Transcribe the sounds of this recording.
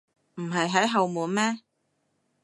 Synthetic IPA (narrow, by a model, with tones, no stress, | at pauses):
m̩˨˩ɦɐ˨jɦɐ˨˥jɦɐ˨wmuː˨nmɛː˥